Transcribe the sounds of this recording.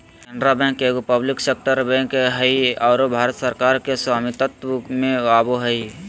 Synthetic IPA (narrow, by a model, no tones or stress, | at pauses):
kɛ̃nɖɾabɛ̃ŋkeɡopəblɪkseːk̚ʈəɾbɛ̃ːŋkɦəiɔːɾobʱaːɾət̪səɾkaːɾkeswaːmit̪ət̪wəmẽaːboɦəi